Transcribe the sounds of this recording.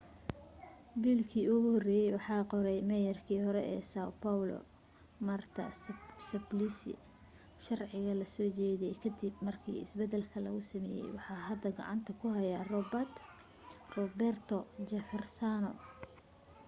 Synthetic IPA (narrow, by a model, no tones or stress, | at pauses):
biːlkʰiːʊɣʊhɔrɛːjɛjwɑħɑːqɔɾɛjmɛjɐrkʰiːhɔɾɛʔɛ̰ːsawpʰawlɔ̰ | mɐrt̪ʰɐ̰sɐblisɪ̰ | ʃɑrʕɪɣɐlɐsɔːt͡ʃɛːðiɛjkʰɐd̪ibmɐrkʰḭːɪ̰sbɛd̪ɛlkʰɐlɐ̰ɣʊsɐmɛ̰ːjɛ̰jwɑħɑːɦɐd̪ɐɡɑ̰ʕɑ̰nt̪ʰɐkʰʊɦɐjarɔbɐt̪ | rɔbɛrt̪ʰɔd͡ʒɐfɛrsanɔ̰